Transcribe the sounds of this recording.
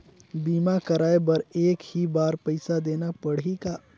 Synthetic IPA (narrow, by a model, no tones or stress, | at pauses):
biːmakəɾaːebɐɾeːkhibaːɾpɐɪsad̪eːnapɐɽika